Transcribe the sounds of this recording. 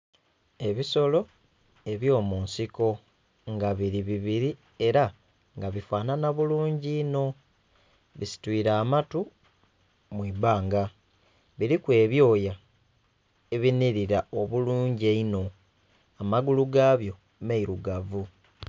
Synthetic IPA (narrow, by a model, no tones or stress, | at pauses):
e̞βiso̞lo̞ | e̞βjo̞ːmuːnsiko̞ | ŋɡaβiɾiβiβiɾi | e̞ɾa | ŋɡaβifaːnanaβuluːɲɟiːno̞ | βisi̥twiːɾaːmatu | mwiːbaːŋɡa | βiɾikwe̞ːβjo̞ːja | e̞βiniɾiɾao̞βuluːɲɟeino̞ | amaɡuluɡaːβjo̞ | meiɾuɡavu